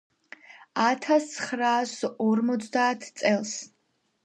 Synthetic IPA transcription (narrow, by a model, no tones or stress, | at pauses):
at̪ʰasχɾaːsɔrmɔt̪sʰd̪aːt̪ʰt̪sʼɛlˠs